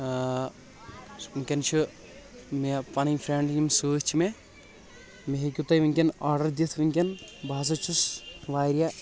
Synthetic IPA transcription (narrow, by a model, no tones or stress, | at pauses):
ŋkʲɐnt͡ʃʰu | mpɐniŋfɾeɳɖjʲimsuːt͡ʃʰime | meɦekʲut̪ɐjʋiŋkʲɐnaːɾɖɐɾd̪it̪ʰʋɐŋkʲɐnbʱaːs̬ɐt͡ʃʰusʋaːjɾija